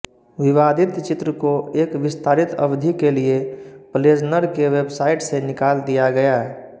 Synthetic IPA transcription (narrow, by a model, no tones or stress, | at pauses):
ʋɪʋaːd̪ʱɪt̪t͡ʃɪt̪ɾəkoeːkʋɪst̪ʰaːɾɪt̪ɐ̰bd̪ʱikeliepəleːd͡ʒnəɾkeʋeːbsaːɪʈsenɪkaːld̪ijaɡɐjaɦɛː